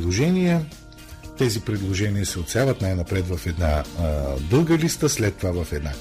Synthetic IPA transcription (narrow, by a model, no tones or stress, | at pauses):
lˠoʒɛnijə | t̪ɛzipɾɛd̪lˠoʒɛniəsɛot̪sɛjavɐt̪najnɐpɾɛt̪vɐfɛd̪na | d̪ɤlˠɡəlist̪əslɛt̪ːovavɐfɛd̪na